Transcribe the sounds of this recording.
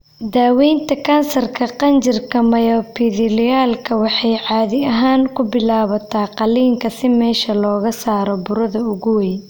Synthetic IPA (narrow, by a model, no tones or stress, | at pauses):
d̪aːwɛjnt̪ʰɐkʰɐnsɐrkʰɐqɑnt͡ʃɪrkʰɐmɐjɔːpʰiðɪlɪjaːlkʰɐwɑħɑjʕɑːðɪɐɦaːŋkʰʊbɪlaːβɐt̪ʰaːqɑliːŋkʰɐsɪmɛːʃɐlɔːɣɐsaːɾɔbʊɾɐðɐʊɣʊwɛj